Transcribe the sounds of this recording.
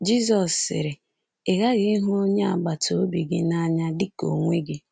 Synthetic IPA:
d͡ʒi˦zɔ˨sːɪ̰˨ɾɪ˨ | ɪ˨ɣa˦ɣɪ˦ɦʊ˦o˦ɲe˦a̰˨ɡ͡ba˨to˨o˦bi˨ɡɪ˦na˦ɲa˦dɪ˦ko̰˨ŋʷe˦ɡɪ˦

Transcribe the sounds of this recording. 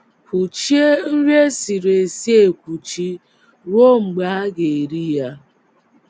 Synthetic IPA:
ku˨t͡ʃi˦e˦n̩˦ɾe˦si˨ɾe˨si˦e˨kʷu˨t͡ʃi˦ | wo˦ŋ͡m̩˨ɡ͡ba˦ɡe˨ɾi˦ja˦

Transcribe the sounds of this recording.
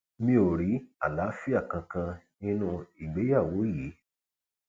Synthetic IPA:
mĩ˦o˨ɾi˨˦a̰˨la˨˦fi˦a˦˨kã˧kã˧nĩ˦nũ˧i˨ɡ͡be˨˦ja˦˨wo˨˦ji˨˦

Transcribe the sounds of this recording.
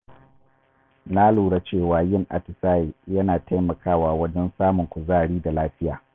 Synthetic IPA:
na˦luː˨ɽa˦t͡ʃeː˦˨waː˨jɪ˦ŋʔa̰˨tɪ˨saː˦je˨jɐ˦naː˨tʰa˦jmɐ˨kʰaː˦waː˨wɐ˦d͡ʒɛ˦nsaː˦mʊ˨ŋkʷʊ˨zaː˦˨ɽiː˦da˨laː˦ɸɪ˦jaː˨

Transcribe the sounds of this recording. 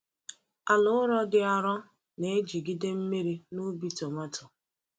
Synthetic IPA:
a˨lʊ˦ɾɔ˦dɪ˦a˦ɾɔ˦ | ne˨˦d͡ʒi˨ɡi˦de˦m̩˦me˦ɾi˦nu˦bi˦tɔ˨ma˦tʊ˨

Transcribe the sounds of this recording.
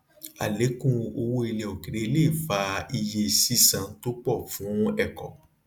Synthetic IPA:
a̰˨le˨˦kũ˦o˧wo˦i˧lɛ˧˨o˨ki˨ɾe˨˦le˦˨fa˧i˧je˧si˦sã˧˦to˦k͡pɔ˦˨fũ˨˦ɛ˦˨kɔ˨

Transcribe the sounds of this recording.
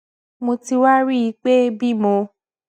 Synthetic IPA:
mo˧ti˧wa˦ɾi˦i˧˦k͡pe˦bi˦˨mõ˧

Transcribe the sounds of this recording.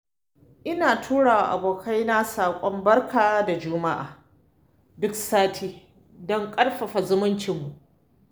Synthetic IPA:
ʔɪ˦naː˨tʰuː˦ɽaː˨wa˨ʔa̰˨boː˨kʰa˦jna˦saː˨kʷʼɔ˦mbɐ˦rkʰaː˨wa˦da˨d͡ʒʊː˦ma˦ʔa̰ː˨ | dʊ˦ksaː˦tʰiː˦ | dɔ˦ŋkʼɐ˦rɸɐ˨ɸa˨zʊ˦mʊ˦nt͡ʃɪ˨mːu˨ʔ

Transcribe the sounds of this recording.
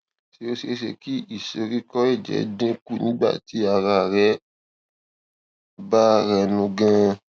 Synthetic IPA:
ti˧˦o˦ʃe˧˦ʃḛ˧ki˦i˦˨se˧ɾi˦kɔ˦e˦˨d͡ʒɛ̰˨dẽ˦ku˦˨nĩ˦ɡ͡ba̰˦˨ti˨˦a˧ɾa˧˨ɾɛ˦ | ba˦ɾɛ˧nũ˧ɡã˧

